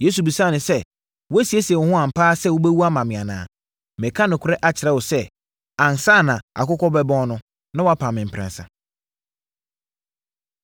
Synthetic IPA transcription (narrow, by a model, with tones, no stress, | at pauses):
je˦s̬u˨bi˨sa˦˨nɪ̃˨sɛ˦˨ | wɔ˦æ˦si˨e˦sɛ˨wʊ˨hʊ̃˦ã˨m̩˨pʰaː˦sɛ˦˨wʊ˦bɛ˦wu˦a˦mã˨mɪ̃˨ã˨nã̰ː˨ | mɛ̃˨kʰã˦nʊ̃˨kʰʊ˦ɾɛ˦ʔa˨t͡ɕʰɪ˨ɾɛ˦wɔ˨sɛ˦ | ã˨n˨sa˦˨nã˨a̰˨kʊ˦kʰɔ˦bɛ˦bɔ̃˦n˦nʊ̃˦ | nã˦wɔ˦a˦pʰã˨mɪ̃˨m̩˨pʰɾɛ̰̃˨nsã̰˨